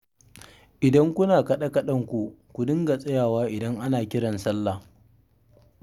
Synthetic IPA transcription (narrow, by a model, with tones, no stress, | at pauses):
ʔɪ˨dɐ˦ŋkʷʊ˦naː˨kɐ˦ɗa˦kɐ˦ɗɐ˦˨ŋkʷu˨kʷu˨dɪ˦ŋɡa˨sʼɐ˦jaː˨waː˦ʔɪ˨dɐ˦ŋʔa˦naː˨kʲɪ˦ɽɐ˨nsɐ˦lːa˨